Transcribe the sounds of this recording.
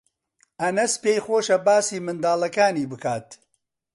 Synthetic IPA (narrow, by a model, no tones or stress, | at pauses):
ʔɐnɐspeːjxoːʃɐbaːsiːmɨnd̪aːlɐkaːniːbɨkʰaːt̪